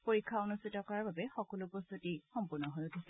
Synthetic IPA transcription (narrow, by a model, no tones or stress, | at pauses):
poɹikʰːaonustʰitɔkɔɹaɹbabɛxɔkɔlʊpɔstutixɔmpʊɹnɔɦojʊtʰisɛ